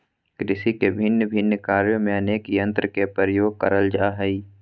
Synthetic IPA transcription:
kɾɪsikebʱɪnːəbʱɪnːəkaːɾjəmẽɐneːkijə̃nt̪ɾəkepəɾəjoːɡ̚kə̰ɾəld͡ʒaːɦəi

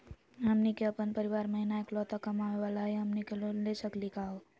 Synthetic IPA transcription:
ɦəmnikeəpənpəɾɪʋaːɾməɦinaeːklɔːt̪akɐmaːʋeʋaːlaɦiɦəmnikelolesəklikaːo

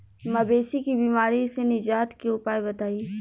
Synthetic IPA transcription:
mɐbeːsikibiːmaːɾisenɪd͡ʒaːt̪kiʊpaːibɐt̪aːiː

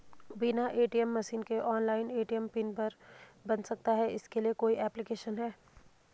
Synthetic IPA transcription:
binaʔeːʈiɛmːɐʃiːnkeʔɔːnlaːɪneːʈiɛmpɪnpɐɾbɐnsɐk̚t̪aɦɛɪskeliekoːiʔɛːplɪkeːʃənɦɛː

